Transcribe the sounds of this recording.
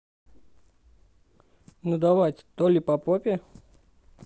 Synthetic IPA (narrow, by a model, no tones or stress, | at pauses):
nud̪ɐvajtʲt̪olʲɪpɐpopʲɪ